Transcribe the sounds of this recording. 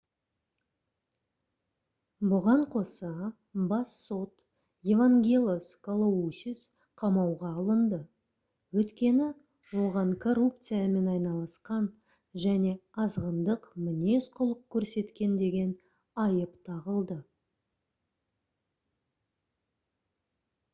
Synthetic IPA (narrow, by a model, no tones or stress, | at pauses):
bʊʁɑɴqʰo̞sɑ | bɑsːo̞t̪ | jevaŋɡʲelʲˠoskʰolˠousʲis | qʰɑmɑwʁɑːlˠənd̪ə | wɵt̪kʲe̞nɪ | wo̞ʁɑɴkʰo̞rup̚t̪sɨjame̞nɑjnɑlˠɑsqɑn | ʒæne̞ɑzʁənd̪əqmɪne̞sqʰʊlˠəq̚kʲʰːɵɾse̞t̪kʲe̞nd̪e̞ɡʲe̞n | ɑjəpt̪ʰɑʁəlˠd̪ə